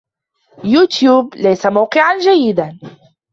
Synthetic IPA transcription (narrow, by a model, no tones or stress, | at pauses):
juːt̪juːblajsamawqɨʕand͡ʒajːɪd̪an